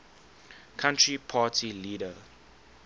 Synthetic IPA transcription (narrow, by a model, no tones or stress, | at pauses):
kʰãntɹipʰaːtʰiliːdə